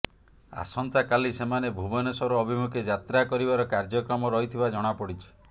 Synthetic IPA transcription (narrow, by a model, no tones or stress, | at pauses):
a̰sɔnt̪akalisemanebʱubɔnɔsɔɾɔːbʱimukʰed͡ʒat̪ɾakɔɾibaɾɔkaɾd͡ʒɔkɾɔmɔɾɔɦit̪ʰibad͡ʒɔɽ̃apɔɽit͡ʃʰi̥